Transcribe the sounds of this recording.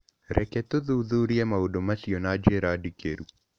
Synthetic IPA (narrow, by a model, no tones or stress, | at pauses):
ɾʔɛkɛt̪oðuðuɾiɛmaodomasiɔnad͡ʒeɾadikeɾu